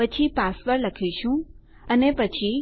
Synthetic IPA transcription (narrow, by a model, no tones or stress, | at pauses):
ət͡ʃʰipasʋəɾləkʰiʃũ | ənepət͡ʃʰi